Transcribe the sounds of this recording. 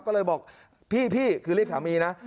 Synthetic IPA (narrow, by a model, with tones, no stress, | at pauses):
kɔː˥˩lɤː˧jbɔː˨˩k̚ | pʰiː˥˩pʰiː˥˩kʰɯː˧li˥˩k̚ʰaː˨˩˦miː˧na˦˥ʔ